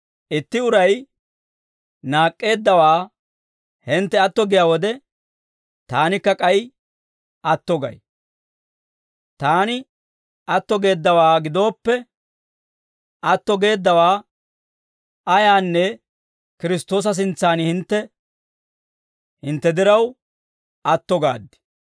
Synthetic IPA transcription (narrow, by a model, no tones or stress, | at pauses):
ʔɪt̪ːɪʊɾɐj | naːkʼːe̞ːd̪ːɐwaː | hɪnt̪ːɛɐt̪ːɔɡɪjaːwɔd̪ɛ | t̪aːnɪkːɐkʼɐj | ʔɐt̪ːɔɡɐ̰j | t̪aːnɪ | ɐt̪ːɔɡe̞ːd̪ːɐwaːɡɪd̪o̞ːpːɛ | ɐt̪ːɔɡe̞ːd̪ːɐwaː | ɐjaːnːɛ | kɪɾɪst̪o̞ːs̬ɐs̬ɪnt͡sːaːnhɪnt̪ːɛ | hɪnt̪ːɛd̪ɪɾɐw | ɐt̪ːɔɡa̰ːd̪ːɪ̥